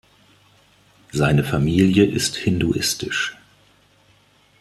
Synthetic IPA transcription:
z̥aɪnəfamiːljəʔɪsthɪnduʔɪstɪʃ

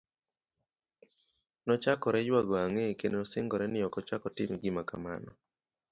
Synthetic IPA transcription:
nɔt͡ʃakɔɾɛjwaɡɔaŋekenenɔsɪŋɡɔɾɛnɪɔkɔt͡ʃakɔtɪmɡɪmaka̰ma̰nɔ

